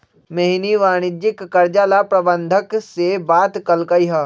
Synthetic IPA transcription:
meɦniʋaːɽ̃ɪd͡ʒɪkːɐɾd͡ʒaːlapɾɐbə̃nd̪ʱəksebaːt̪kɐlkəiɦɐ

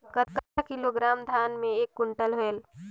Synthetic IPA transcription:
ɡət̪̚kət̪akiloɡɾamd̪ʱanmẽekːuɳʈəlɦoel

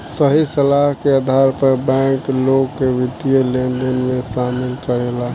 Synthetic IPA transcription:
səɦisəlaɦkeəd̪ʱaɾpəɾbɛ̃ːkloɡkeʋɪd̪jəlenɖenmẽsaːmɪlkəɾela

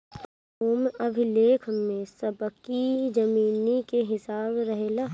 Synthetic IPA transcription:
oːmɐbʱɪleːkʰmẽsəbkid͡ʒɐmiːnikeɦɪsaːbɾɐɦela

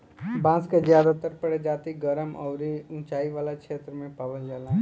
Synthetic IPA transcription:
bãːskazjaːd̪at̪əɾpɐɽed͡ʒaːt̪iɡəɾəmɔːɾiʊ̃t͡ʃaːiʋaːlakʃeːt̪ɾəmẽpabəld͡ʒaːlãː

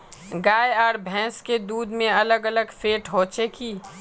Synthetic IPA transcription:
ɡaːeaːɾbʱɛ̃ːsked̪uːd̪mẽɐləɡələɡfʰeːʈɦoːt͡ʃeki

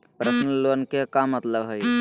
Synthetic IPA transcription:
pɾəsnəlonkekamət̪ləbɦəj

